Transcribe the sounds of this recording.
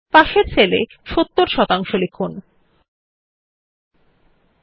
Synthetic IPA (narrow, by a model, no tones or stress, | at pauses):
paʃeɾt͡ɕʰelḛ | ʃot̪ːoɾʃɔt̪aŋʃolikʰːun